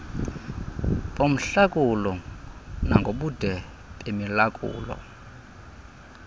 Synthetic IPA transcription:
pʼom̩ɬakʼulɔ | naŋɡʱoɓud̥ʱɛ | pʼemilakʼṵːlɔ̰

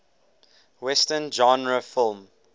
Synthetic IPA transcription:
wɛstənd͡ʒɔ̃nɹəfɪlˠm

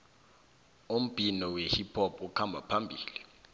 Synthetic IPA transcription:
um̩b̥ʱinɔwehipʰɔp̚ʰʼukʰambʱapʰambʱiːli

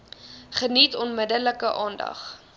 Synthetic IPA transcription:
χənitɔnmədələkəʔɑːndɐ̰χ

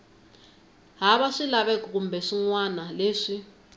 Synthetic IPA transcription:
ɦaβaʂilaβɛkɔk̬umbɛʂiŋwanaleːʂi

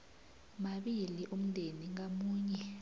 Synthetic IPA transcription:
maɓiliʔum̩nʱeniŋamuːɲɛ

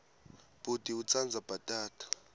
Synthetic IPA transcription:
b̥utʼiut͡sʰand͡zʱab̥ʱatʼaːtʰʼḁ

